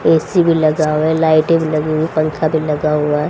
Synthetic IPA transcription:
eːsibʱilɐɡaːwɛ̃laːɪʈẽbʱilɐɡeɦuipəŋkʰabʱilɐɡaɦʊaɦɛ

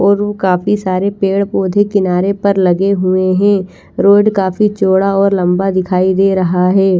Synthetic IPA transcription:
ɔːɾʋokaːfisaːɾepeːɽpoːd̪ʱekɪnaːɾepɐɾlɐɡeɦʊeɦɛ̃ː | ɾoːɖkaːfit͡ʃoːɽaɔːɾlɐ̃mbad̪ɪkʰaːid̪eːɾɐɦaɦɛː

